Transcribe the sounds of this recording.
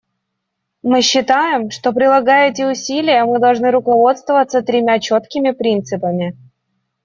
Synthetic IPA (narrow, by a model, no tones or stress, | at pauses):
mɨɕːɪt̪ajɪmʂt̪o̞pɾʲɪlˠɐɡajɛtʲɪʊsʲilʲɪjəmɨd̪ɐlˠʐnɨɾʊkɐvo̞t̪st̪vəvət̪sət̪ɾʲɪmʲat͡ɕo̞t̪kʲɪmʲɪpɾʲint̪sɨpəmʲɪ